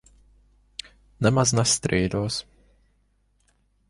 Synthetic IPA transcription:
nɛmaznɛst̪ɾiːd̪oːs

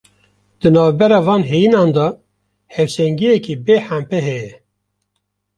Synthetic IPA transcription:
d̪̥ɨnɑːvbɛɾɑːvɑːnɦejinɑːnd̪ɑ | hɛvsɛŋɡijɛkiːbeːħæmpɛɦɛjɛ

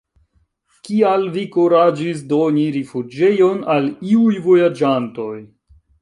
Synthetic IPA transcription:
kialvikuɾad͡ʒis̬do̞niɾifud͡ʒe̞jo̞naliujvo̞jad͡ʒanto̞j

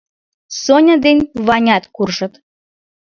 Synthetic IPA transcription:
sonʲə̆d̪enʲβɑnʲɑt̪kurʒə̆t̪

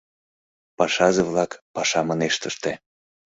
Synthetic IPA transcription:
pɑʃɑzevlɑkpɑʃɑmɤneʃt̪əʃt̪e

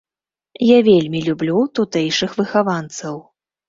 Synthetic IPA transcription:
javʲelʲmʲilʲublʲut̪ut̪ɛjʂɨxvɨxavant̪sɐw

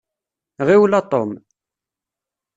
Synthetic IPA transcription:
ʁiwlɑt̪ˤom

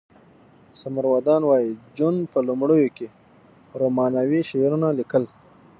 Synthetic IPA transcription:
samaɾwad̪ɑnwɑjid͡ʒunpəlumɽəjoke | ɾomɑnawiʃweɾunalikəl

